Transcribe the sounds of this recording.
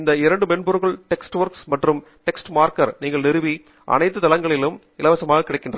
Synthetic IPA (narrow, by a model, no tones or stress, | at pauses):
ɪnd̪ɐɪɾɐɳɖɯmɛnbɔɾɯɣɐɭʈɛksʈʋɐɾksmɐʈrɯm | ʈɛksʈmaːɾkɐɾniːŋɡɐɭnɪɾɯʋi | ʔɐ̰nɐɪt̪ːɯt̪ɐlɐŋɡɐɭɪlɯm | ɪlɐʋɐsɐmaːɣɐkːɪɽɐɪkːɪɳɖrɐ